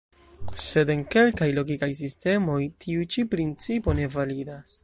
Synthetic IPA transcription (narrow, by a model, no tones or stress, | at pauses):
se̞de̞nke̞lkajlo̞ɡikajs̬iste̞mo̞jtʰiut͡ʃipɾint͡sipo̞ne̞validas